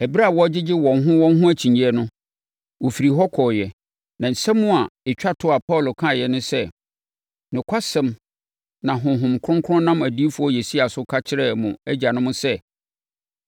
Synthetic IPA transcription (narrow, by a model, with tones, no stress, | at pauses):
ɛ˨bi˦ɾa˦˨wɔ˦d͡ʑɪ˦d͡ʑɪ˦wɔ̃˨nɦʊ̃˦wɔ̃˦n˦ɦʊ̃˦æ˦t͡ɕʰĩ˨ɲ˨ɛ˨nʊ̃˦ | wo˨fi˨ɾi˨ɦɔ˦kʰɔː˨jɛ˨ | nã˨n̩˨sɛ̃˦mːʊ̃˦a˨ɪ˨t͡ɕᶣa˦tʰʊ˦a˨pʰɔ˦˨lʊ˨kʰã˦˨jɛ˨nʊ̃˦sɛ˦˨ | nʊ̃˨kʷʰa˦sɛ̃˨m | nã˨ɦʊ̃˨ɦʊ̃˨mkʰʊ˦ʊ̃˦ŋkʰʊ˦ʊ̃˦nã˦m˨æ˨di˦fu˦ɔ˦jɛ˨si˦a˨sʊ˦kʰa˦t͡ɕʰɪ˦ɾɛ˦˨mʊ̃˨æ˦d͡ʑa˨nʊ̃˦mʊ̃˦sɛ˦